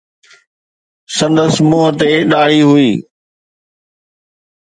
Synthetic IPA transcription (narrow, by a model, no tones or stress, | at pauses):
sɐ̃nd̪əsmoːɦət̪eɗaːɽiɦʊiː